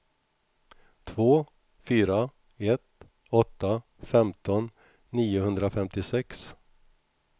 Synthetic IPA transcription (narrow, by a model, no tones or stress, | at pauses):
t̪ʰvoː | fyːɾa | ɛt̪ | ɔt̪ːa | fɛmt̪ɔnː | iːʊhɵnd̪ɾafɛmt̪ɪsɛks